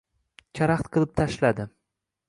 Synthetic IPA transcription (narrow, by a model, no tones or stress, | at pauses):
t͡ʃʰaɾaχt̪qʰɨlˠɪp̚t̪ʰaʃlad̪ɪ